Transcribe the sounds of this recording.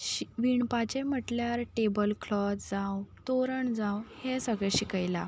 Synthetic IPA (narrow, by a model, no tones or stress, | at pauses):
ɕʋiɳpat͡ɕem̤əʈljaɾʈebəlkʰlɔt͡s̪d͡zãwt̪oɾəɳd͡zãwhesəɡɛɕikəjla̰